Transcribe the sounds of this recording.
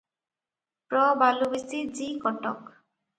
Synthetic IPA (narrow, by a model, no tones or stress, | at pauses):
pɹɔbalubisizikɔtɔ̰k